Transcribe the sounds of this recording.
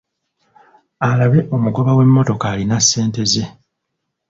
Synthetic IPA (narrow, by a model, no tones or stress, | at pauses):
alaβe̞ʔo̞muɡo̞βawe̞mːo̞to̞kaːlinasːe̞ːnte̞ze̞